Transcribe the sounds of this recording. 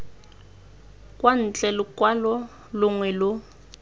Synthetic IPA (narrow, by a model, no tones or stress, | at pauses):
kʼwan̩t͡ɬʼɛlʊkʼwalɔ | lʊŋwɛlʊ